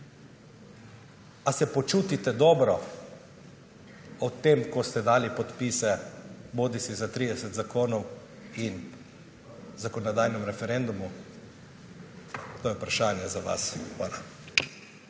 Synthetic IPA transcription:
asɛpɔt͡ʃuːt̪it̪ɛd̪ɔːbɾɔ | ɔt̪emkɔst̪ɛd̪aːlipɔt̪piːsɛboːd̪isizat̪ɾid̪ɛsɛt̪zakoːnɔw | in | zakɔnɔd̪ajnɛmɾɛfɛɾɛnd̪umu | t̪oːjɛupɾaʃaːnjɛzaʋa̰sxʋaːla

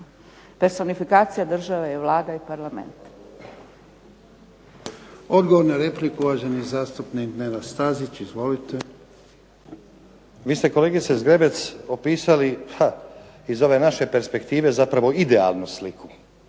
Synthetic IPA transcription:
peɾso̞nifikaːt̪sijad̪r̩ʒaʋejeʋlˠaːd̪aipaɾlˠamḛnt̪ | o̞d̪ɡoʋoɾnaɾeplikuʋaːʒenizaːst̪upnikd̪neɾast̪azit͡ʃizʋo̞lit̪e | ʋiːst̪e̞ko̞leɡit̪sezɡɾe̞be̞t̪so̞piːsalipa | izo̞ʋenaʃe̞pe̞ɾspe̞kt̪iːʋe̞zapɾaʋo̞id̪ea̰lˠnuslikʰu

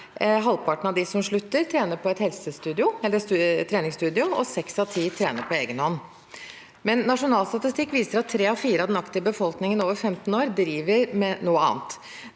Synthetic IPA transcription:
ɦɑlpʰɑʈɳ̩ɑʋd̪ɪsɔmʂɭʉt̪ːəɾt̪ʰɾeːnəpʰɔɛt̪hɛlsəst̪ʉːd̪ɪʊɛlːəɾst̪ʰːɾeːnɪŋst̪ʉːd̪ɪʊɔ̰sɛksɑʋt̪ʰiːt̪ʰɾeːnəɾpʰɔeːɡənhɔnː | mɛnːɑʂʊnɑːlst̪ɑt̪ɪst̪ɪkːʋiːsəɾɑt̪ʰːɾeːɑfiːɾəɑʋd̪ɛnɑkt̪ɪəbəfɔlknɪŋənoːʋəɾfɛmt̪n̩oːɾd̪ɾiːʋəɾmɛnuːəɑ̰ːnt̪

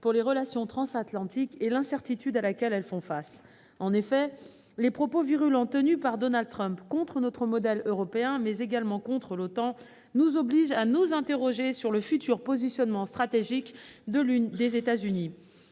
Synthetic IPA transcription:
puʁleʁəlasjɔ̃t̪χɑ̃sat̪lɑ̃t̪ikelɛ̃sɛʁt̪it̪yd̪alakʲɛlɛlfɔ̃fas | ɑ̃nefɛ | lepχɔpoviʁylɑ̃t̪ənypaʁd̪ɔnald̪̚t̪χœ̃mpkɔ̃t̪χənɔt̪χəmɔd̪ɛløʁɔpeɛ̃mɛzeɡalmɑ̃kɔ̃t̪χəlot̪ɑ̃ | nuzɔbliʒanuzɛ̃t̪eʁɔʒesyʁləfyt̪yʁpozisjɔnmɑ̃st̪χat̪eʒikd̪əd̪ezet̪azyni

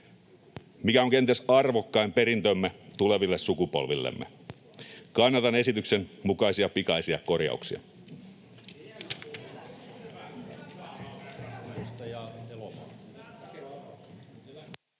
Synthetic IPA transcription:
mikæoŋk̟e̞nt̪esɑrʋokːɑimpe̞ɾint̪ømːet̪ule̞ʋilːessukupo̞̰lʋilːḛmːḛ | kɑnːɑt̪ɑne̞sit̪ykse̞nmukɑjsiɑpikɑisiɑko̞rjɑ̰uksiɑ̰ | t̪ɑjɑelɑ

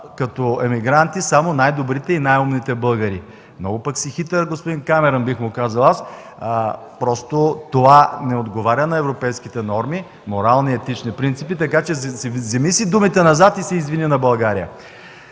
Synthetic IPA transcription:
kɐt̪oɛmiɡɾant̪isamonajd̪obɾit̪ɛinajumnit̪ɛbɤlˠɡəɾi | mnɔ̰ɡʊpɐksixit̪ɛɾɡospod̪inkamɛɾɐnbixmʊkazɐlˠas | pɾɔst̪ot̪ovanɛod̪ɡovaɾʲənɐɛvɾopɛjskit̪ɛnɔɾmi | moɾalˠniɛt̪it͡ʃnipɾint̪sipit̪ɐkat͡ʃɛzszɛmisid̪umit̪ɛnɐzat̪isɛizvininɐbɐlˠɡaɾijə̰

